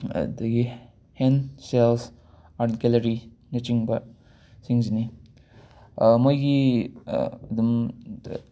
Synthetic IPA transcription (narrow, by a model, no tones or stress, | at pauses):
d̪ɐɡi | hensels | aɾtkelɐɾi | nɐt͡ʃiŋbɐ | siŋzini | mojɡi | ɐd̪um